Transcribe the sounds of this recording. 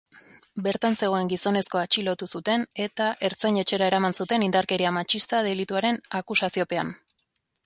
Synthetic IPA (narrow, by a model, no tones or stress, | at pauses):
be̞ɾt̪anse̞ɣ̞o̞e̞ŋɡiso̞ne̞sko̞at͡ʃilo̞t̪usut̪e̞ne̞t̪aʔe̞ɾt͡saɲe̞t͡ʃe̞ɾae̞ɾamansut̪e̞nind̪aɾke̞ɾiamat͡ʃist̪að̞e̞lit̪uaɾe̞nakusasio̞pe̞an